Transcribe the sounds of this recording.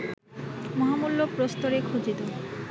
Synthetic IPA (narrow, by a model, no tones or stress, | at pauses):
mɔɦamulːopɾost̪oɾekʰud͡ʑid̪o